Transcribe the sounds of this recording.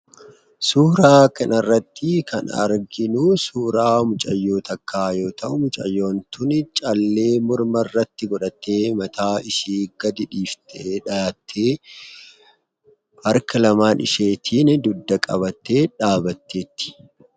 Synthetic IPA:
suːɾaːkɐnɐrːɐt̪ːɪkʰɐ̰nɐ̰ɾɡɪnusuːɾaːmʊt͡ʃʼɐjːoːt̪ɐkʰːaːjo̞ːt̪ɐʔʊmʊt͡ʃʼɐ̰jːo̞ːnt̪ʰʊnɪt͡ʃʼɐlːe̞ːmʊɾmɐrːɐt̪ːɪɡɔᶑɐt̪ːe̞ːmɐt̪ʰaːɪʃiːɡɐd̪ɪᶑiːft̪ʰɐʔeᶑɐaːt̪ʰːeː | hɐɾkɐlɐmaːnʔɪ̰ʃe̞ːt̪ʰiːnd̪ʊd̪ːɐkʼɐbɐt̪ːe̞ːᶑaːbɐt̪ːe̞ːt̪ːɪ̥

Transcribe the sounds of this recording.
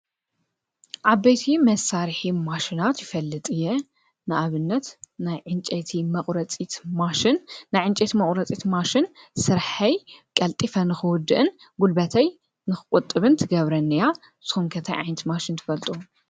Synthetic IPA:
ʔaβbejt̪ʰimɐsaɾħimaʃinat̪jɪfɐlːɨt̪ʼɨjːɛ | nɨʔaβɨnːɐt̪najʕɨnt͡ʃʼɐt̪ʰimɐχʼɾɐt͡sʼit̪maʃɪnːajʕɨnt͡ʃʼet̪imɐχʼɾɐt͡sʼit̪maʃɪnsɨɾħɐjkʼɐlt̪ʼifɐnɨxɨwʊd̪ɨʔɨn | ɡulbɐt̪ʰɐj | nɨxɨkʼʊt̪ʼːɨβɨnt̪ʰɨɡɐβɾɐnːɨja | z̥ɨ̥xumkʰɐt̪ʰɐjʕa̰jnɐt̪maʃint̪ʰɨ̥fɐlt̪ʼu

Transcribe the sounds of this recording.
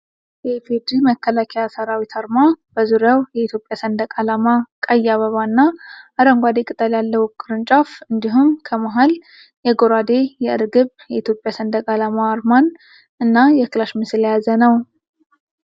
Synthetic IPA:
jɛfed̪iməkʰːəlakʰɛjasəɾawit̪ʰaɾmab̥əzuɾjawjɛit̪jo̞pʼjasənd̪əkʼalamakʼəjːaβəβanːaʔaɾəŋɡʷad̪ekʼɨt̪ʼəljalːəwkʰʼːɨɾɨnt͡ʃʼafɨnd̪iɦumkʰəmaɦal | jɛɡo̞ɾad̪e̞jɛɨɾɡɨβjɛit̪ʰjo̞pʼjasənd̪əkʼalamaːɾman | ɨnːajɛklaʃmɨsljazənəw

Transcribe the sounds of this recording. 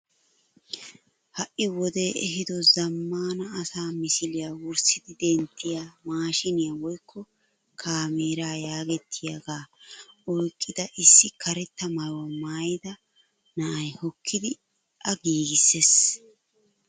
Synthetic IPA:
hɐʔːɪwɔd̪e̞ːɛɦɪd̪ɔzɐmːaːnɐːsaːmɪsɪlɪjaːwʊɾsɪd̪ɪd̪ɛnt̪ːɪjaːmaːʃɪnɪjawɔjkʰːɔ | kʰaːmeːɾaːjaːɡɛt̪ʰːɪjɐɡaːɔjkʼːɪd̪ɐʔɪsːɪkʰɐɾɛt̪ːɐmɐɾwɐmaːjɪd̪ɐ | nɐʔɐjhɔkʰːɪd̪ɪ | ʔɐɡiːɡɪsːes

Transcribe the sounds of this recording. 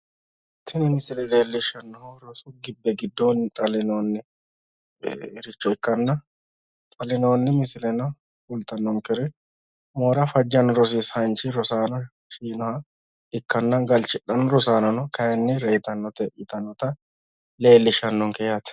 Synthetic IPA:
t̪ːɪnɪmɪsɪlɛleːlːɪʃɐnːɔhɾɔsʊɡɪbːɛɡɪd̪ːont̪ʼɐlɪnoːnːɛ | ɾɪt͡ʃːɔɪkːɐnːɐ | t̪ʼɐlɪnoːnːɛmɪsɪlɛnɐ | fʊlt̪ːɐnːɔŋkɛɾɪ | moːɾɐfɐd͡ʒːɐnɾɔs̬ɪshɐnt͡ʃɪɾɔsaːnɔ | ʃiːnɔhɐ | ɪkːɐnːɐɡɐlt͡ʃɪɗːɐnʊɾɔsaːnɔnɔkɐjɛnːɛɾɛjt̪ɐnːɔt̪ɛʔɪt̪ɐnːɔt̪ɐ | le̞ːlːɪʃɐnːɔŋkɛjat̪

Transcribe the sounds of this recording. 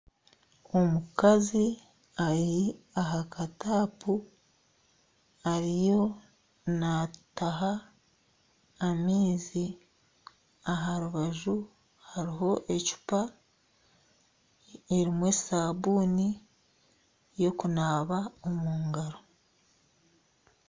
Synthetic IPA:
o̞mukazi | aɾi | aɦakataːpu | aɾijo̞ | nataɦa | miːzi | aɦaɾuβaʒu | haɾiɦo̞ʔe̞cu̥pa | eɾimwe̞saːβuːni | jo̞kunaːβaomuːŋɡaɾo̞

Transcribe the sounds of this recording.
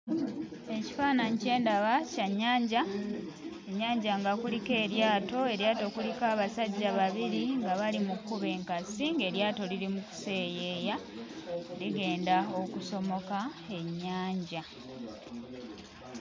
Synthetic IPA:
e̞ci̥faːnaɲce̞ːndaβacaɲːaːɲɟa | e̞ɲːaːɲɟaŋɡakulike̞ːɾjaːto̞e̞ɾjaːto̞kulikaːβasaɟːaβaβiɾiŋɡaβalimukːuβe̞ːŋkasiŋɡe̞ɾjaːto̞liɾimuku̥se̞ːje̞ːja | liɡe̞ːndao̞kuso̞mo̞kae̞ɲːaːɲɟa

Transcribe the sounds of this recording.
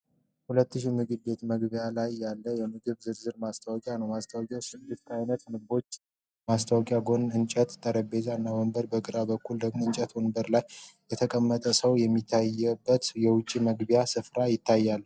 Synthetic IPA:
hulət̪ːɨʃimɨɡɨβbe̞t̪məɡbjalajːalːəjɛmɨɡɨβzɨɾzɨɾmast̪ʰawɔkʼjanəwmast̪ʰawkʼjawsɨd̪ːɨskʰajnət̪nɨbo̞t͡ʃː | mast̪ʰawɔkʼjaɡo̞nɨnt͡ʃʼət̪t̪ʼːəɾəbezanːawəmbəɾbəɡʼɨɾabəkʰːuld̪əɡmoɨnt͡ʃʼət̪wonbəɾlajː | ɛt̪ʰəkʼəmːət̪ʼəsəwjɛmːit̪ʰːajɛbːət̪jɛwʊt͡ʃʼːiməɡbjasɨfɾajɪt̪ʰːajːalː

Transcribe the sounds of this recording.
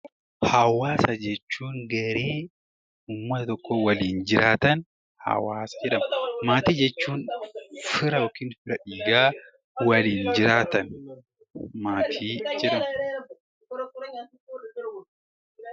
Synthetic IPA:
hɐwaːsɐd͡ʒɛt͡ʃːuːŋɡɐɾeː | ʊmːɐt̪ɐt̪ɔkːoːwɐliːnd͡ʒɪɾaːt̪ɐn | hɐ̰waːsɐ̥d͡ʒɛᶑɐmɐmaːt̪iːd͡ʒɛt͡ʃːuːnfɪɾɐjokiːnfɪɾɐᶑiːɡaː | wɐliːnd͡ʒɪɾaːt̪ɐn | maːt̪ʰiːd͡ʒɛᶑɐmɐ

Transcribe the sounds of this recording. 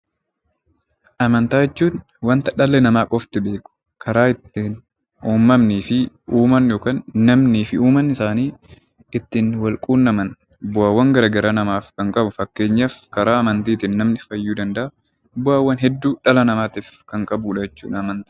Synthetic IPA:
ʔɐmɐnt̪aːjɛt͡ʃːuːn | wɐnt̪ɐᶑɐlːɛnɐmaːkʼɔft̪ɪbeːkʼʊ̥ | kʰɐɾaːɪt̪ːɪn | uːmːɐmniːfɪ | uːmɐnjoːkaːnːɐmniːfɪuːmɐnɪsaːniː | ɪt̪ːɪnwɐlkʼuːnːɐmɐn | bʊaːwːɐŋɡɐɾɐɡɐɾɐnɐmaːfkɐŋkʼɐbʊfɐkːe̞ːɲːɐfkɐɾaːɐmɐnt̪iːt̪ɪnːɐmnɪfɐjːuːd̪ɐnd̪ɐʔɐ | bʊaːwːɐnɦɛd̪ːuːᶑɐlɐnɐmaːt̪iːfkɐŋkʼɐbuːᶑɐjɛt͡ʃːṵːᶑɐɐmɐnt̪ɐ̥

